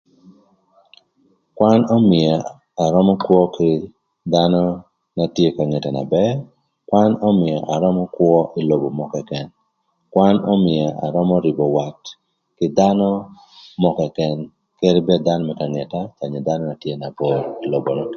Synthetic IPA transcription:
kwa˦nɔ˦mɪ˨a˨ | a˨ɾɔ˦mɔ˦kwɔ˦kɪ˦ | d̪a˦nɔ˦ | na˨tje˦ka˨ŋɛ˨ta˨na̰˨bɛ˦ | kwa˦nɔ˦mɪ˨a˨ʔa˨ɾɔ˦mɔ˦kwɔ˦ʔi˨lo˨bo˨mɔ˨kɛ˨kɛ˨n | kwa˦nɔ̰˦mɪ˨a˨ʔa̰˨ɾɔ˦mɔ˦ɾi˨bɔ˨wa˨t | kɪ˦da˦nɔ˦ | mɔ˨kɛ˨kɛ˨n | ke˦ɾi˦bɛ˦d̪a˦nɔ˦mɛ˨ka˨ŋɛ˨ta˦t͡ʃa˨ɲe˨da˦nɔ˦na˨tje˦na˨bo˦ɾi˨lo˨bo˨na˨

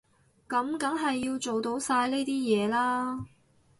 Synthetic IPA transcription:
kɐ˨˥mkɐ˨˥ŋɦɐ˨jːiː˧wt͡so˨wt̪o˨˧˥wsaː˧jle˥jt̪iː˥jɛː˨˧laː˥

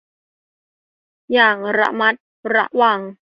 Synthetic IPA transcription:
jaː˨˩ŋɾa̰˦˥ʔma˦˥t̪̚ | ɾa˦˥ʔwa˨˩ŋ

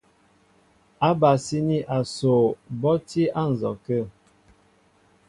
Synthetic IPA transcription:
a˦ba˨si˦ni˦ʔa˨so˨bɔ˦ti˦a˦n̩˨zɔ˨kə˦˨

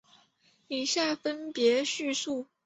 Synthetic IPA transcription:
i˨˩ɕja˥˩fə˥npjɛ˧˥ɕy˥˧su˥˩

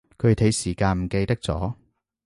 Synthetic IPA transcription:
kʰɵ˨˧˨t̪ʰe˨˧jsiː˨˩kaː˧nm̩˨˩ke˧jt̪ɐ˥k̚t͡sɔ̰ː˨˥

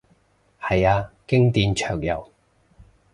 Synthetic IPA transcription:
hɐ˨jaː˧kɪ˥ŋt̪iː˧nt͡ʃʰœː˨˩ŋjɐ̰˨˩w

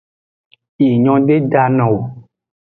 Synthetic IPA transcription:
i˨ɲɔ̃˨˦ɖe˦ɖa˦nɔ̃˨wo˨

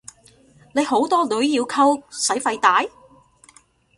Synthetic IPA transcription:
ne˨˧jho˨˥wt̪ɔː˥lɵ˨˥ɥjiː˧wkʰɐ˥wsɐ˨˥jfɐ˧jt̪aː˨˥j

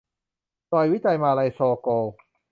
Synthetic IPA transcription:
tɔː˧jwiː˨˥t̪a˧jmaː˧lɐ˧jsɔː˧kɔː˧˩

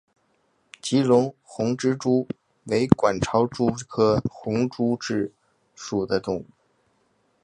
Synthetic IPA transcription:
t͡ɕi˧˥lʊ˧˥ŋxʊ˧˥ŋʈ͡ʂɻ̩˥ʈ͡ʂu˥ | we˧˥ɪkwa˨˩nʈ͡ʂʰɑ˧˥ʊʈ͡ʂu˥kʰɤ˥xʊ˧˥ŋʈ͡ʂu˥ʈ͡ʂɻ̩˥˩ | ʂu˨˩d̪ə˦ʈ͡ʂʊ˨˩˦ŋ

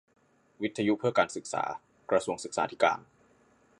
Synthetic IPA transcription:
wi˦˥t̪ʰːa˧ju˦˥ʔpʰɯ˥˩ɐkaː˧nsɯ˨˩k̚sa̰ː˩˦ | kɾa˧su˧əŋsɯ˨˩k̚sa̰ː˩˦t̪ʰi˦˥ka̰ː˧n

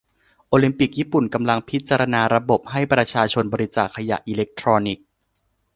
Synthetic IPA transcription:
ʔoː˧li˧mpi˨˩k̚jiː˥˩pu˨˩nka˧mla˧ŋpʰi˦˥t̪̚t͡ɕaː˧ɾa˧naː˧ɾa˧bo˨˩p̚ɦa˥˩jpɾa˧t͡ɕʰaː˧t͡ɕʰo˧nbɔː˧ɾi˦˥t͡ɕaː˨˩kʰːa˧ja̰˨˩ʔiː˧le˦˥k̚t̪ʰɾɔː˧ni˨˩k̚

